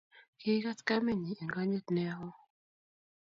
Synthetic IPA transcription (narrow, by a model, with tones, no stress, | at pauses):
kɪ˦ka˦tka˦me˦˨ɲi˨i˨ŋɡa˦ɲe˦t̪nɛ˦ɦɔ˦